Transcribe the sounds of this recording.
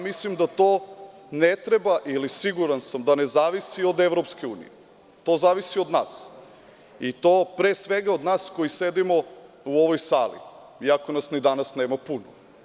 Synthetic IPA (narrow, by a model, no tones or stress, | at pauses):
mislimd̪at̪oː | net̪ɾebaʔilisiɡuɾansamd̪ane̞zaːʋisiod̪eʋɾopskeuːnḭje | t̪o̞ːzaːʋisiod̪naːs | it̪oːpɾeːsʋe̞ɡaod̪naːskojised̪imo | uoʋojsaːlḭ | iakonasnid̪anasneːmapuno